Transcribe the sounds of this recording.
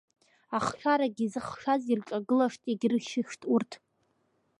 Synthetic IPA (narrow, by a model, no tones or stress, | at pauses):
aχʃʷᶣaɾaɡʲizɨχʃazirʈ͡ʂʼaɡɨlaʂtʼeɡʲrɨʃɪʃtʼurtʰ